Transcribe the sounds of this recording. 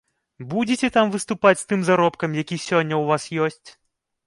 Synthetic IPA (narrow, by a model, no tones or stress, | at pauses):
bud͡zʲɛt͡sʲɛt̪amvɨst̪upat͡sʲst̪ɨmzaɾɔpkɐmjakʲisʲɔnʲːɐwvasjɔsʲt͡sʲ